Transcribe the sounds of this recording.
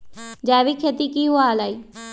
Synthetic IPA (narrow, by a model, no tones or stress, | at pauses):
d͡ʒɛːʋiːkʰet̪iːkiːɦoaːlaːiː